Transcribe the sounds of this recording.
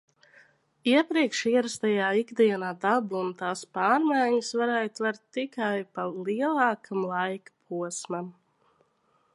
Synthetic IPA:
iɛpɾiɛkʃiɛɾast̪ajaːiɡd̪iɛnaːd̪abunt̪aːspɑːɾmajɲɨsvaɾɛjt̪vaɾt̪ːikajpaliɛlˠɑːkʰamlˠajkḁpʰuɔsmam

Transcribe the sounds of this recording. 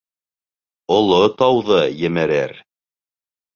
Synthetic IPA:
ŏlˠot̪ɑwðɤjɘ̆mɘ̆ɾɘɾ

